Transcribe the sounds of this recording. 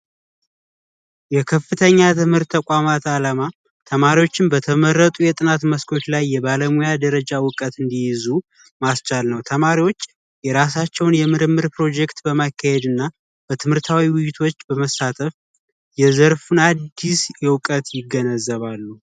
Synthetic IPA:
jɛkʰəfːɨt̪ʰəɲːat̪ʰɨmhɨɾt̪ʰːəkʷʼamat̪alama | t̪ʰəmaɾiwo̞t͡ʃːɪnbət̪ʰəməɾːət̪ʼujɛt̪ʼɨnat̪məskʰo̞t͡ʃlajːɛbaləmujad̪əɾəd͡ʒawʊkʼət̪ɨnd̪ijɪzu | mast͡ʃalnəwt̪ʰəmaɾiwo̞t͡ʃː | jɛɾas̬at͡ʃːɛwnjɛmɨɾɨmːɨɾpɾo̞d͡ʒɛkt̪bəmakːahed̪ɨnːa | b̥ət̪ʰɨmhɨɾt̪ʰawiwʊjɪt̪ʰo̞t͡ʃːbəməsat̪ʰəf | jɛzəɾfunad̪ːisjɛwkʼət̪jɪɡːənəzːəβalːu

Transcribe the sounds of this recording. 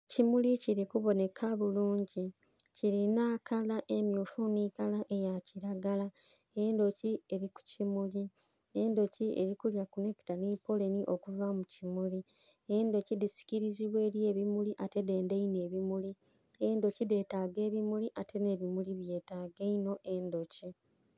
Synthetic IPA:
cimuliciɾikuβo̞ne̞kʰaβuluːɲɟi | ciɾinaːkʰalaʔemjuːfoːniːkalaʔe̞jaciɾaɡala | endo̞cie̞ɾiku̥cimuli | endo̞cie̞ɾikuljakuneki̥tanipo̞le̞niʔo̞kuvamucimuli | endo̞cidisi̥ciɾiziβwe̞ːɾje̞ːβimuliʔate̞de̞ːndeine̞ːβimuli | endo̞cide̞taɡe̞ːβimuliʔatʰe̞ne̞βimuliβje̞ːtaːɡeino̞ʔe̞ndo̞ci

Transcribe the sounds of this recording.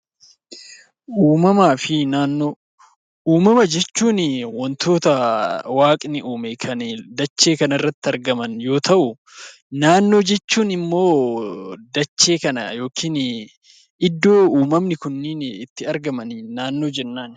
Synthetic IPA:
ʔuːmɐmaːfɪnaːnːoː | ʔuːmɐmɐd͡ʒɛt͡ʃːuːnwɔnt̪ʰo̞ːt̪ɐwaːkʼnɪʔuːmɛkʰɐnd̪ɐt͡ʃːe̞ːkɐnɐɪrːɐt̪ːɪɐɾɡɐmɐnjo̞ːt̪ɐʔʊ | naːnːo̞ːd͡ʒɛt͡ʃːuːnɪmːo̞ː | d̪ɐt͡ʃːe̞ːkɐnɐjo̞ːkʰiːn | ɪd̪ːo̞ːuːmɐmnɪkʊnːɪnɪt̪ːɪɐɾɡɐmɐnnaːnːo̞ːd͡ʒɛnːaːn

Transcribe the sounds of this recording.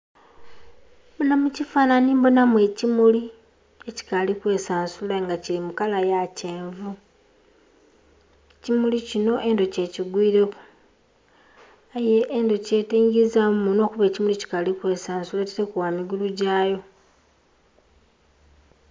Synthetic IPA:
mbonamucifaːnanimbonamwe̞cimuli | eci̥kalikwe̞saːnsulaŋɡacilimukalajace̞ːɱvu | cimulicino̞ʔe̞ndo̞ce̞ːciɡwiːɾe̞ku̥ | ajeʔːndo̞ce̞ːtiːŋɡizamuno̞ːkuβe̞cimulici̥kalikwe̞ːsaːnsulaci̥tekuwamiɡuluɟaːjo̞

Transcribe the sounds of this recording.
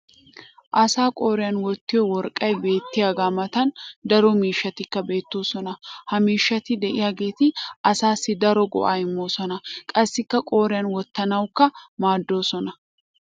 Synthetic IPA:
ʔɐsaːkʼo̞ːɾɪjanwɔt̪ːɪjɔwɔɾkʼːɐjbe̞ːt̪ːɪjaːɡaːmɐt̪ɐnd̪ɐɾɔmiːʃːɐt̪ɪkːɐbe̞ːt̪ːo̞ːsɔnɐhɐmiːʃːɐt̪ɪd̪ɛʔɪjaːɡe̞ːt̪ɪɐsaːsːɪd̪ɐɾɔɡɔ̰ʔaːɪmːoːsɔnɐkʼɐsːɪkːɐkʼo̞ːɾɪjɐnwɔt̪ːɐnɐwkːɐmaːd̪ːo̞ːsɔnɐ

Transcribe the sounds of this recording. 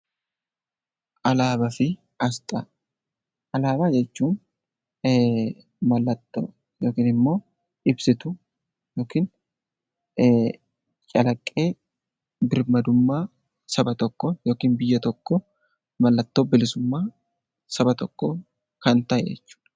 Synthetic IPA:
ʔɐlaːbɐfɪ | ɐst̪ʼɐ | ʔɐlaːbaːd͡ʒɛt͡ʃːuːn | mɐlːɐt̪ːo̰ː | joːkiːnɪmːo̞ː | ʔɪbsɪt̪ʊ | joːkiːn | t͡ʃʼɐlɐkʼːe̞ː | bɪɾmɐd̪ʊmːaː | sɐbɐt̪ɔkːɔjo̞ːkiːnbɪjːɐt̪ɔkːɔ | mɐlːɐt̪ːoːbɪlɪsʊmːaː | sɐbɐt̪ɔkːoː | kɐnt̪ɐjḛːt͡ʃːu̥ːn

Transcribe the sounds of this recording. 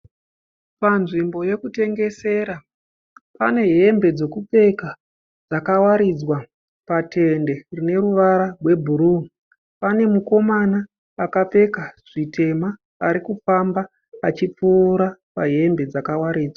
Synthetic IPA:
panʐimbo̞je̞kute̞ŋɡe̞se̞ːɾa | pa̰ne̞ɦe̞mbe̞d͡ze̞kup͡fe̞ka | d͡zakawaɾid͡zwa | patʰe̞nde̞rine̞ɾuʋaɾarwe̞bʱuɾun | pane̞muko̞manaː | kap͡fe̞kaʐ̥itʰe̞maː | ɾikufambaː | t͡ʃip͡fuːɾapaɦe̞mbe̞d͡zakawaɾiːd͡zwa

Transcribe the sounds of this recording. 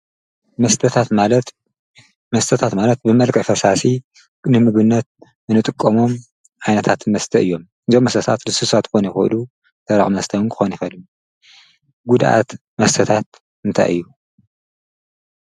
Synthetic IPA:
mɐst̪ʰɐt̪ʰat̪alt̪ | mɐst̪ʰɐt̪ʰat̪malɐt̪̚bɨmɐlkʼɐfɐsasi | nɨmɨɡɨnːɐt̪̚ | ɨnɨt̪ʼɨkʼːɐmo̞m | ʕajnɐt̪ʰat̪mɐst̪ʰɐʔɨjːo̞m | ɨzomːɐst̪ʰɐt̪ʰat̪lɨsusat̪kxonɐjxɨ̰lu | t̪ʰɐɾa̰xʼmɐst̪ʰɐwɨnkʰɨ̥xonjɪxɐlu | ɡud̪ʔa̰t̪ | mɐst̪ʰɐt̪ʰat̪ | ɨnt̪ʰa̰jɨ̰jːu

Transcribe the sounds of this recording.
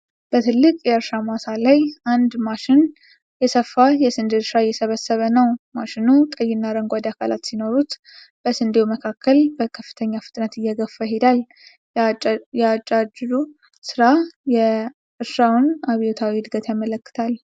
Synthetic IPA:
b̥ət̪ʰɨlːɨkʼjɛɨɾʃamasalajʔand̪maʃɪn | jɛsəfːajɛsɨnd̪ɨɾʃɾajːɛsəβəsːəβənəwmaʃɪnut̪ʼəjːɪnːaɾəŋɡʷad̪akʰala̰t̪sino̞ɾut̪ | b̥əsɨnd̪ewuməkʰakːəlbəkʰəfːɨ̥t̪ʰəɲːafɨt̪ʼnət̪ɨjːɛɡəfːəɦed̪al | jat͡ʃʼːad͡ʒd̪u | sɨɾajɛ | ɨɾʃawnaβijot̪ʰawihɨd̪ɡət̪jamələkːɨ̥t̪ʰal

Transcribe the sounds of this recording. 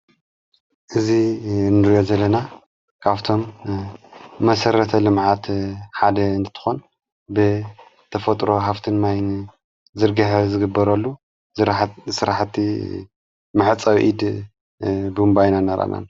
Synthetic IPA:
ʔɨzinɨɾjo̞zɐlːɐna | kʰaβt̪ʰo̞m | ɐsɐɾɐt̪ʰɐlɨmʕat̪ħad̪ɐɨnt̪ʰt̪ʰɨ̥xon | bɨ | t̪ʰɐfɐt̪ʼɾo̞ɦaft̪ʰɨnmajn | zɨɾɡɐħɐzɨɡɨbːɐɾɐlːu | sɨɾaħt̪i | mɨħɨt͡sʼawʔid̪ | bumbajnanɐɾa̰na̰n

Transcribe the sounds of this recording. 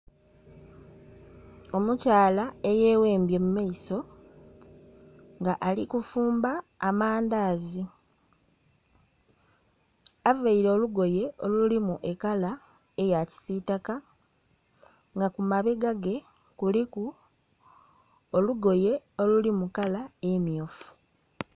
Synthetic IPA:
o̞mucaːlae̞jeːwe̞ːmbje̞mumajiso̞ | ŋɡaʔalikufuːmbaːmaːndaːzi | avaiɾooluɡo̞je̞o̞lulimuʔe̞kala | ejaci̥sitaka | ŋɡakumaβe̞ɡaɡe̞ | kuliku | oluɡo̞je̞o̞lulimukalaemjofu̥

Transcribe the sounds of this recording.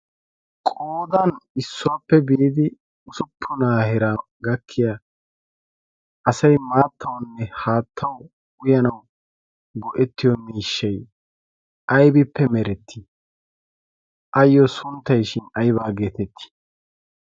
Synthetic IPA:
kʼoːd̪ɐnɪsːɔwaːpːɛbiːd̪ɪ | ʊsʊpʰːʊnaːhɪɾaː | ɡɐkʰːɪja | ʔɐsɐjmaːt̪ːɐwnːɛhaːt̪ʰːɐw | ʊjɐnɐw | ɡɔʔɛt̪ːɪjɔmiːʃːɐj | ʔɐjbɪpːɛmɛɾɛt̪ːɪ̥ | ʔɐjːɔsʊnt̪ːɐjʃɪnɐjbaːɡeːt̪ɛt̪ːɪ̥

